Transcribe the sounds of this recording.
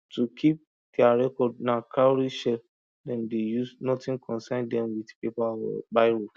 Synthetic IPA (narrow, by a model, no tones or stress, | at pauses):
tukʰip̚ | dɛaɹɛkɔdnakʰaɹiʃɛ | dɛ̃ndejusnɔtĩnkʰɔ̃nsãndɛ̃mwidpepabaɪɹo